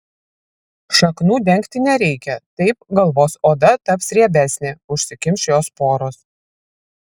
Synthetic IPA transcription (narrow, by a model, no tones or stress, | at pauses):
ʃɐknuːd̪ʲɛŋʲkt̪ʲɪnʲɛɾʲɛɪkʲɛt̪ɐɪpɡɐlˠʋoːsoːd̪ɐt̪ɐpsɾʲiɛbʲæˑsʲnʲeːʊʃʲsʲɪkʲɪmʲʃʲjoːspoːɾoːs